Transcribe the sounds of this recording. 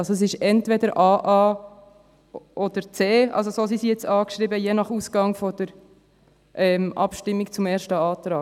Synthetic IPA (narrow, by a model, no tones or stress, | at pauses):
ɑlsoɛs̬ɪʃɛntvɛdəɾʔɑːʔɑː | ʔɔd̥̪əɾt͡seːʔɑ̰ls̬osos̬isijɛt͡sɑːkʃʁɾiːbəjenɑχuːsɡ̥ɑŋfɔd̥̪əɾ | ʔɛmʔɑ̰pʃtɪmːikt͡sʊmeːɾʃtəɑːt̪ɾɑː